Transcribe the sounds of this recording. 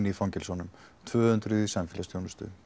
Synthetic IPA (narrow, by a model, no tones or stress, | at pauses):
nifaŋcɪlsɔnːʏmt̪ʰvœːhʏnt̪ɾʏðisamfɪlast̪ʰjownʏst̪ʏ̰